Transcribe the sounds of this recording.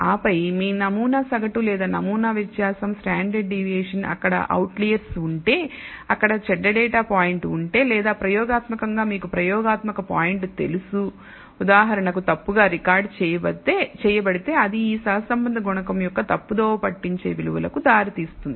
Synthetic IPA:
aːpɐjmiːnɐmuːnaːsɐɡɐʈulɛːd̪aːnɐmuːnaːʋet̪ːjaːsɐmsʈaːɳɖɐɖɖiʋiɛːʂɐnɐ̰kːɐɽɐ̰ʔɐ̰wʈlijɐɾsuɳʈe̞ːɐkːɐɽɐt͡ʃɛɖːɐɖɛːʈaːpaːjiɳʈuɳʈe̞ːlɛːd̪aːpɾɐjɔːɡaːt̪mɐkɐŋɡaːmiːkupɾɐjɔːɡaːt̪mɐkɐpaːjiɳʈt̪e̞lusu | ud̪aːɦɐɾɐɳɐkut̪ɐpːuɡaːɾikaːɾɖt͡ʃɛːjɐbɐɽt̪ːeːt͡ʃɛːjɐbɐɽit̪e̞ːɐd̪iiːsɐɦɐsɐmbɐnd̪ʱɐɡɔɳɐkɐmjɔkːɐt̪ɐpːud̪oːpɐʈːiɲt͡ʃeːʋiluʋɐlɐkud̪aːɾit̪iːst̪und̪ii

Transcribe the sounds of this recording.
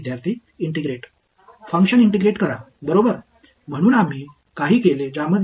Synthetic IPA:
d̪ʱjaɾt̪ʰiː | iɳʈiɡɾeʈ | fə̃ŋkʂəniɳʈiɡɾeʈkəɾa | bəɾobəɾ | m̤əɽ̃uːnam̤iː | kaɦiːkeled͡ʑaməd̪

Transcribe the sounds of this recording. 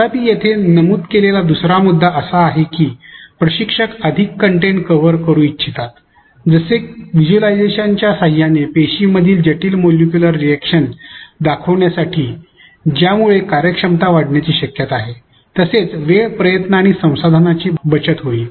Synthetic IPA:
ap̪iːjet̪ʰenəmuːt̪kelelad̪usɾamud̪ʱːaʔəsaːɦekiːpɾəɕikʂəkəd̪ʱikːəɳʈeɳʈkəʋəɾkəɾũːitːɕʰit̪at̪ | d͡zəseʋid͡ʑuəlajd͡zeɕaɲt͡ɕjasaɦijanepeɕiməd̪ʱiːld͡ʑəʈiːlmoljukjuləɾːiækʂənd̪akʰəʋɳjasaʈʰiː | d͡ʑjamuɭekaɾjəkʂəmt̪aʋaɽɳjat͡ɕiːɕəkjət̪aɦe | t̪əset͡sʋepɾəjət̪naaːɽ̃isə̃w̃sad̪ʱənat͡ɕiːbət͡ɕət̪ɦoiː

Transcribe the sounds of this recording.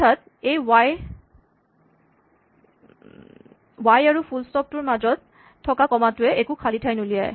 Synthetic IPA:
tʰat̚ | ejwaj | wajaɹupʰulstɔp̚tʊɹmazɔt̚ | tʰːɔkakɔmatʊɛʔekukʰalitʰajnulija̰j

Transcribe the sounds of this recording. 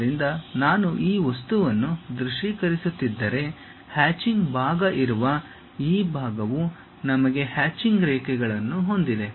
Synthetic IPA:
ɾind̪ɐnaːnuʔiːʋɐst̪uʋɐnːud̪ɾuʂiːkɐɾisut̪ːid̪ːɐɾe̞ | haːt͡ʃiŋɡbʱaːɡɐʔiɾuʋɐ | iːbʱaːɡɐʋu | nɐmɐɡe̞haːt͡ʃiŋɡɾɛːkɛɡɐɭɐnːuɦo̞nd̪id̪e̞

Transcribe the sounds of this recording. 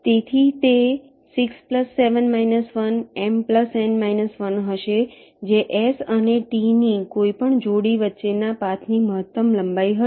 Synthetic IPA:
t̪et̪ʰit̪e | sikspləsːeʋənmainəsʋənempləsenmainəsʋənɦəʃe | d͡ʒeʔesəneʈinikoipəɳd͡ʒoɽiʋətːʃenapat̪ʰniməɦət̪ːəmləmbaiɦə

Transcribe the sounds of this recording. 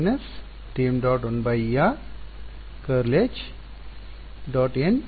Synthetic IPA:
nɐs | ʈiːmɖɔːʈonbɐja | kəɾleːt͡ʃ | ɖɔːʈen

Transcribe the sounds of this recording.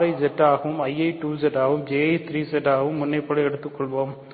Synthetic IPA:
ɾɐɪzɛʈːaːɣɐʋɯmɐɪɐɪʈuːzɛʈːaːɣɯmd͡ʒeːɐɪt̪ʰɾiːsɛʈːaːɣɐʋɯmːʊnːɐɪpːɔɽɐɛɽɯt̪ːɯkːɔɭʋoːm

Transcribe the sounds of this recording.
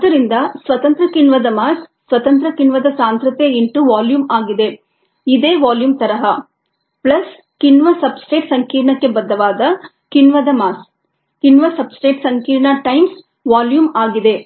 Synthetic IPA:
ɐd̪ɐɾind̪ɐsʋɐt̪ɐnt̪ɾɐkinʋɐd̪ɐmaːsːʋɐt̪ɐnt̪ɾɐkinʋɐd̪ɐsaːnt̪ɾɐt̪eiɳʈuʋaːljuːmaːɡid̪e̞ | id̪eːʋaːljuːmt̪ɐɾɐɦɐ | plɐs | kinʋɐsɐbsʈeːʈsɐŋkiːɾɳɐkːe̞bɐd̪ːɐʋaːd̪ɐ | kinʋɐd̪ɐmaːs | kinʋɐsɐbsʈeːʈsɐŋkiːɾɳaʈɐjms | ʋaːljuːmaːɡid̪e̞

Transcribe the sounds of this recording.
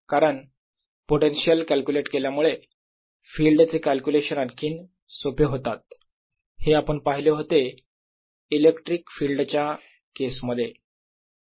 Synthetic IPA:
kaɾəɳ | poʈenɕijəlkælkjuleʈkeljamuɭe | fiːlɖt͡sekælkuleɕənaɾkʰiːn | sopʰeɦot̪at̪̚ | heapəɳpaɦileɦot̪e | ilekʈɾiːkfiːlɖt͡ɕja | kesməd̪ʱːje

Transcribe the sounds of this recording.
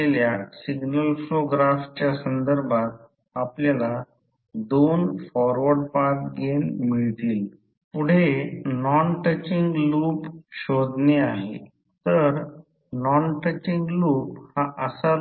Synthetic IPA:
eljasiɡnəlfɾoɡɾaft͡ɕjasənd̪əɾbʱat̪̚ | apljala | d̪onfɔɾʋəɖpaɾkɡenmiɭt̪iːl | puɽ̤enɔnʈət͡ɕiŋɡluːpɕod̪neaɦḛ | t̪əɾ | nɔnʈət͡ɕiŋɡluːphaʔəsa

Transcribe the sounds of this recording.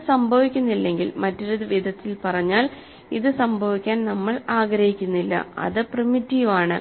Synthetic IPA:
sɐmbʱɐʋikʲːunːilːe̞ŋɡilmɐtːoɾuðɨʋid̪ʱɐt̪ːilpɐrɐɲːaːl | iðɨsɐmbʱɐʋikʲːaːnnɐmːɐɭaːɡɾɐhikʲːunːilːɐ̰ɐ̰ðɨprɨmitːiːʋaːɳɨ̰

